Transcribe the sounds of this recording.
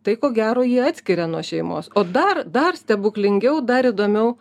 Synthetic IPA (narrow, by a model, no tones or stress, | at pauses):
t̪ɐɪkoːɡʲæːɾoːjiɛɑːt̪ʲsʲkʲɪɾʲɛnuɔʃʲɛɪmo̰ːsoːd̪ɐrd̪ɐrsʲt̪ʲɛbʊklʲɪŋʲɡʲɛʊd̪ɐɾid̪oːmʲɛʊ